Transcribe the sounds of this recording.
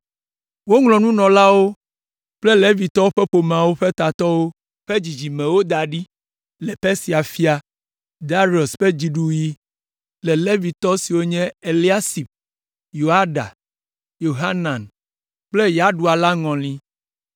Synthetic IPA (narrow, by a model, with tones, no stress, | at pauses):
wo˦ŋlɔ̃˨nũ˦nɔ̃˨la˦wo˦ | k͡ple˦le˦vi˨t̪ɔ˦o˦ɸe˦ɸo˨m˨ã˨wo˦ɸe˦t̪a˨t̪ɔ˦wo˦ | ɸe˦d͡ʑi˨d͡ʑi˨mɛ̃˨wo˦d̪a˨ɖi˦ | lɛ˨ɸe˦si˨a˨fi˦a˨ | d̪a˦ɾi˦˨o˨sɸe˦d͡ʑi˨ɖu˨ji˦ | lɛ˨le˦vi˨t̪ɔ˦si˨wo˦ɲɛ̃˦e˨li˦a˦si˨ɸ | jo˨a˦ɖa̰˨ | jo˨ɦa˦nã˨n | k͡ple˦ja˦ɖu˨a˨la˦ŋɔ̃˨lĩ˦